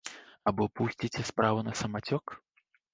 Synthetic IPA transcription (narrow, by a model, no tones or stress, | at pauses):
abɔpusʲt͡sʲit͡sʲɛspɾavunɐsɐmat͡sʲɔk